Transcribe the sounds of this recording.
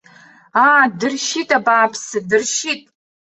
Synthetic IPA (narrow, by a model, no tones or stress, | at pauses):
aːdɨrʃitʼabaːpʰsɨdɨrʃitʼ